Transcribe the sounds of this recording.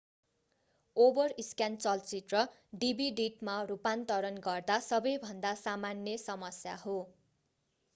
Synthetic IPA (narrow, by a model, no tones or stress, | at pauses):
obʌriskjant͡sʌlt͡sit̪rʌ | ɖibʱiɖiʈmarupant̪ʌɾʌnɡʌrd̪asʌbʌjbʱʌnd̪asamanjʌsʌmʌsja̰ɦo